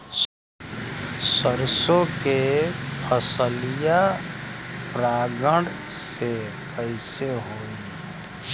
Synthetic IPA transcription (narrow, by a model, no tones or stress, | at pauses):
səɾsõkepʰəsəlija | pɾaːɡə̃ɖ | se | pəɪseɦoːi